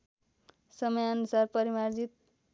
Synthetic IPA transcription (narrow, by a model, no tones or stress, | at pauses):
sʌmʌjʌnusarpʌɾimard͡zit̪̚